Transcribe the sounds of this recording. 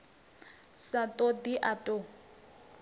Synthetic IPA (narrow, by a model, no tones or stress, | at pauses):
satʼod̪iʔatʼo